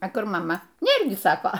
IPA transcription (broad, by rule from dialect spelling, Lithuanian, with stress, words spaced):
ɐ ˈkʊr mɐˈmɐ ˈnʲeːr ɡʲɪ ˈsɑːkoː